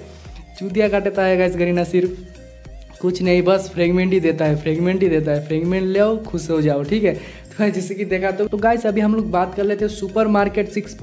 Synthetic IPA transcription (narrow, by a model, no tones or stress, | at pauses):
t͡ʃud̪jakaʈet̪aɦɛɡaisɡəɾinasiɾ | kut͡ʃʰnəibəspʰɾeɡmẽɳʈid̪et̪aɦɛpʰɾeɡmẽɳʈid̪et̪̬aɦɛpʰɾeɡmẽɳʈleokʰused͡ʒaoʈʰiːkɦɛ | t̪od͡ʒesekid̪ekʰat̪ot̪oɡaisəbʱiɦəmloːk̚bat̪kəɾlet̪ʰesupəɾmaɾkeʈsiksp